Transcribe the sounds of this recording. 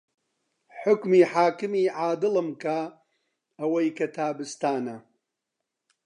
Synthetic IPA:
ħʊkmiːħaːkɨmiːʕaːd̪ɨlɨmkɐ | ɐwɐjkɐt̪ʰaːbɨst̪aːnɐ

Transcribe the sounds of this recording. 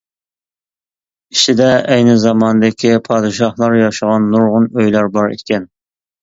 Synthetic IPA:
iʃɪd̪ɛʔɛjnɪzɑmɑnɨd̪ɪkʲʰipʰɑd̪ɨʃɑhlˠɑɾjɑʃəʁɑnːuɾʁʊnøjlæɾbɑɾḛt̪̚kʲɛn

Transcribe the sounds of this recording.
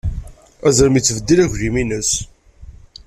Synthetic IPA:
æzɾəmit͡sːvəd̪ːilæçðiminəs

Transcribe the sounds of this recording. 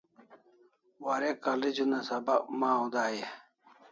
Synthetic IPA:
waɾekaled͡ʑunasɐbakmãːud̪aːje

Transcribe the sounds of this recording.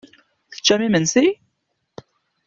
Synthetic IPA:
θə̥t͡ʃːæmimənsi

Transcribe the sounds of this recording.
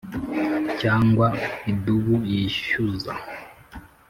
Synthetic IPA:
caːŋɡwaiduβuiʃuza̰

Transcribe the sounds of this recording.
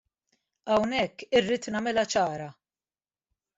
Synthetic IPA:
ɐwnɛkːɪrːiːt̪nɐmɪlɐt͡ʃɐːɾɐ

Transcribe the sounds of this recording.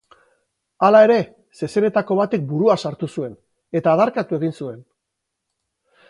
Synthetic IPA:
alae̞ɾe̞ | se̞se̞ne̞t̪ako̞β̞at̪ek̚buɾuasaɾt̪usue̞n | e̞t̪aːðaɾkat̪ue̞ɣ̞insue̞n

